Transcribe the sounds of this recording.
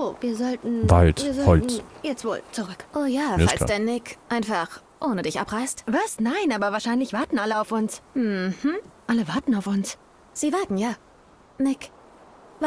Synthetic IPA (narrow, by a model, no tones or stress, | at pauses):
oːviːɐzɔltn̩v̥a̰ltviːɐzɔhɔlttn̩jɛt͡stv̥o̰ːlt͡suʁʏkʔoːjaːfɪalsa̰d̥aɪnːɪkʔaɪnfaχ | ʔoːnədɪçʔa̰pʁaɪstvaɐstnaɪnʔaːbɐvaːɐʃaɪnlɪçv̥aɐtn̩ʔaləaʊfʊnsmm̩hm̩ʔaləvaɐtn̩aʊfʊns | z̥iːvaɐtn̩jaː | nɪk